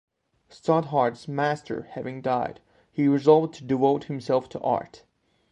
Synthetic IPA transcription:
stɑt̚ɦɑɹtsmæstʰə̰˞hævɪ̃ŋdaɪd̥ | hiɹɨzɑlˠvd̚tʰɨdɨvoʊt̚hɨ̃msɛlˠftʰəʔɑ̰ɹt

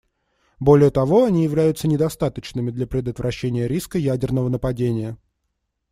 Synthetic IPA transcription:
bo̞lʲɪjət̪ɐvo̞ɐnʲijɪvlʲæjʊt̪sənʲɪd̪ɐst̪at̪ət͡ɕnɨmʲɪd̪lʲɐpɾʲɪd̪ət̪vɾʔɐɕːenʲɪjəɾʲiskəjædʲɪrnəvənəpɐdʲenʲɪjə

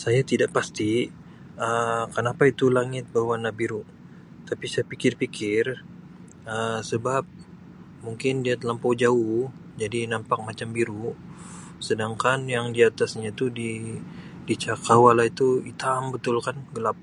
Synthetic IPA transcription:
sajat̪idaʔpast̪i | əkənapait̪ulaŋɪt̪̚bawanabiɾuʔ | t̪apisajapikɪrpikʰɪr | əsəbap̚ | muŋkɪndiat̪əlampod͡ʒauh | d͡ʒadinampak̚mat͡ʃambiɾu | sədaŋkanjaŋdiat̪asɲat̪udi | dit͡ʃakawalait̪uit̪ambət̪ʊlkanɡəlap̚

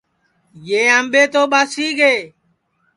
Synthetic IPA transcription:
jeːamɓeːt̪oːɓaːsiːɡeː

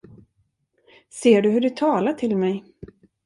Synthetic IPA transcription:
seːɖɵɦɵɖɛt̪ʰɑːlaʈʰɪlmɛj

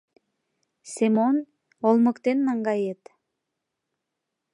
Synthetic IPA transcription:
semon | olˠmə̆kt̪enːɑŋɡɑjet̪

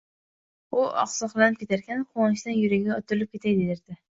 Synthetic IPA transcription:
ʊɒ̰qsɒqlˠanɪp̚kʲe̞t̪ʰaɾkʲʰanqʰonɪʃd̪anjʊɾaɡʲaɒt̪ʰʊɾɪlɪp̚kʲe̞t̪ʰajd̪ed̪ɪɾd̪̥ɪ

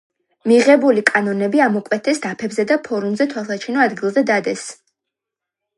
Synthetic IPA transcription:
miʁɛbulikʼanɔnɛbiamɔkʼwɛt̪ʰɛsd̪apʰɛbzɛd̪apʰɔɾumzɛt̪ʰwalˠsat͡ʃʰinɔad̪ɡilˠzɛd̪ad̪ɛs

